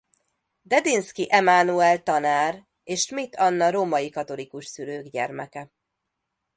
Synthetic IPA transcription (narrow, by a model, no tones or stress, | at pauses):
d̪ɛd̪inskiʔɛmaːnuɛlt̪ɒnaːr | eːʃmit̪ʰɒnːɒɾoːmɒjikɒt̪o̞likuʃsyɾøːɡɟɛ̰rmɛkɛ